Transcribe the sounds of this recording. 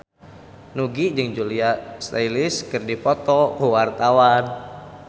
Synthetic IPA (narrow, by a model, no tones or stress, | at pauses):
nuɡid͡ʒɨŋd͡ʒuliast̪ailiskɨrdipɔt̪ɔkuwart̪awan